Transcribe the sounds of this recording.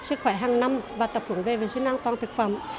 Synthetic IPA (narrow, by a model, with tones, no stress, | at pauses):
sɨ˦˥k̚xwɛ˧˦jɦaː˨˩ŋna˧mvaː˨˩t̪ə˨˩p̚hə˧˩˦ŋve˨˩ve˨˩si˧˦nʔaː˧ŋt̪waː˨nt̪ʰɨ˨˩k̚fə̰˧˩˨m